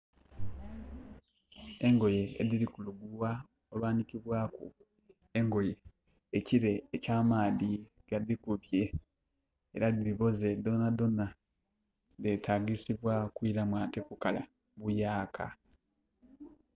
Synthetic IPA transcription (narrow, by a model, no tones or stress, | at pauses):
e̞ŋɡo̞je̞ḛdilikuluɡuwa | olwaːnikiβwaːkṵ | e̞ŋɡo̞je̞ː | ciɾe̞ːcaːmaːði | ɡ̥aðikuβje̞ | eɾadiliβo̞ze̞d̪o̞nad̪o̞na | de̞taːɡisiβwakwiɾamwaːtekukala̰ | βujaːkʰa